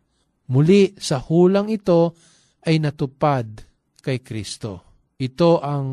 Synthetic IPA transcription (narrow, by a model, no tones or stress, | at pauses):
mʊliʔsɐhuːlɐŋɪt̪o̞ | ʔɐjnɐt̪ʊpad̪̚ | kɐjkɾist̪o̰ | ʔɪt̪o̞ʔɐŋ